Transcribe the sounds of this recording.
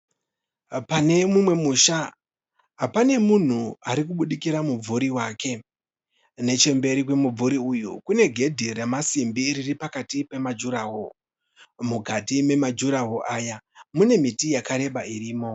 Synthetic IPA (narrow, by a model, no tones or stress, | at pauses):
pane̞mumwe̞muːʃa | ɦapane̞mun̤uaɾik̬uɓuɗikiɾamub͡vuɾiwaːke̞ | ne̞t͡ʃe̞mbe̞ɾikwe̞mub͡vuɾiujukune̞ɡʱe̞dʱiremasimbiɾiripakatipe̞mad͡ʒuɾaɦo | mukatime̞mad͡ʒuɾaɦoʔaːjamune̞mitijakaɾe̞ɓaiɾiːmo̞